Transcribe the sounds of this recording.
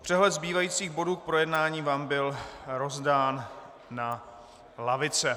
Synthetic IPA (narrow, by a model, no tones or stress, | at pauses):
pr̝̥ɛɦlɛt̪zbiːvajiːt͡siːɣbo̞duːk̚pɾo̞jɛdnaːɲiːvaːmbɪlɾo̞zdaːnː | a | lavɪt͡sɛ